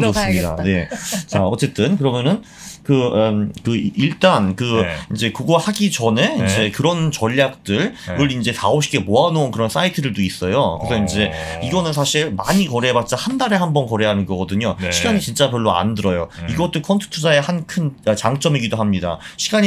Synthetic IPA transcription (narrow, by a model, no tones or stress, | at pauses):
osɯmɲidaa̰ne̞t͡ɕaʌt͡ɕ͈e̞t͈ɯnkɯɾʌmjʌnɯn | kɯkɯiɭt͈ankɯind͡ʑe̞kuɡahaɡit͡ɕʌne̞ind͡ʑe̞kɯɾʌnt͡ɕʌʎːak̚t͈ɯɭɯɾind͡ʑe̞taoɕʰi̥k͈ʰemoanoonkɯɾʌns͈ʰaitʰɯdɯɭtois͈ʌjokɯɾesʰʌind͡ʑe̞iɡʌnɯns̬ʰaɕʰiɭmaɲikʌɾebat̚t͡ɕ͈ahandaɾe̞ɦambʌnkʌɾe̞ɦanɯnɡʌɡʌdɯɲoɕʰiɡaɲit͡ɕint͡ɕ͈apjʌɭːoa̰ndɯɾʌjoiɡʌt͈okʰʌntʰɯ̥tʰud͡ʑaehankʰɯnʌt͡ɕaŋt͡ɕ͈ʌmiɡidoɦamɲida̰ɕʰiɡaɲi